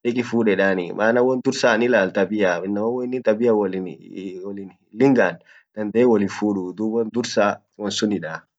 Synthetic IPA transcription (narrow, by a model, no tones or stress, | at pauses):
ᶑɛkʼɪfuːɗɛᶑaːnimaːnɐwɔnd̪ʊɾsaːnɪlaːlt̪ɐbɪjaɪnːɐmɐwɔɪnːɪt̪ɐbɪjawɔlɪnwɔlɪn | lɪŋɡaːn | d̪ɐnd̪eːwɔlɪfuːᶑud̪ubɔnd̪ʊɾsaː | wɔnsʊnɪᶑaː